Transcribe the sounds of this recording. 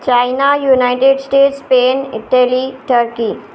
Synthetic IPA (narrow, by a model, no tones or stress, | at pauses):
t͡ɕajnajunajʈeɖsʈeʈspenḭʈeliʈəɾki